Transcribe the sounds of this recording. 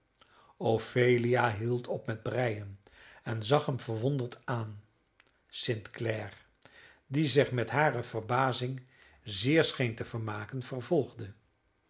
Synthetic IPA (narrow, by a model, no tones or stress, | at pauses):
ofejliaɦilˠtʰɔpmɛd̚brɛjənɛnzɑχɦəmv̥əɹʋɔndəɹtaːn | sɪntklɛr | dizɪχmɛtɦaːrəv̥ərbaːzɪŋ | zɪːɹsχejntəvəɹmaːkənv̥ərvɔlˠχdə